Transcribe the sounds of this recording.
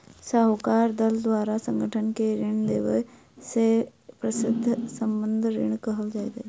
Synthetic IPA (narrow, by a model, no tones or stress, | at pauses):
səɦʊkaːɾd̪əld̪waːɾasə̃ŋɡəʈʰənkeɾɪɳ̃d̪eːʋə̰ | sepɾəsɪd̪ʱːsəmbə̃nd̪ʱɾɪ̰ɳ̃kəɦəld͡ʒaːiːd̪e